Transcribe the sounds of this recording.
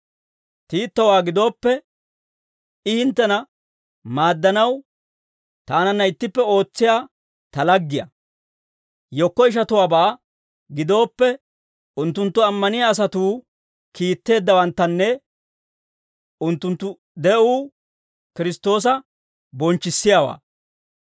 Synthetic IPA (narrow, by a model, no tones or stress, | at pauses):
t̪iːt̪ːɐwaːɡɪd̪o̞ːpːɛ | ɪhɪnt̪ːɛnɐ | maːd̪ːɐnɐw | t̪aːnɐnːɐɪt̪ːɪpːɛo̞ːt͡sːɪjaː | t̪ɐlɐɡːɪjɐ̰ | jɔkːɔɪʃ̬ɐt̪ʊwaːbaː | ɡɪd̪o̞ːpːɛ | ʔʊnt̪ːʊnt̪ːʊɐmːɐnɪjaːs̬ɐt̪uː | kiːt̪ːe̞ːd̪ːɐwɐnt̪ːɐnːɛ | ʊnt̪ːʊnt̪ːʊ | d̪ɛʔuː | kɪɾɪst̪o̞ːs̬ɐ | bɔnt͡ʃːɪsːɪjaːwa̰ː